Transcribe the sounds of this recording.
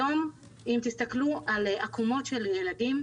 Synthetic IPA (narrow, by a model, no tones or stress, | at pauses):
o̞m | imt̪ist̪akluʔalakumo̞t̪ʃe̞ljeladim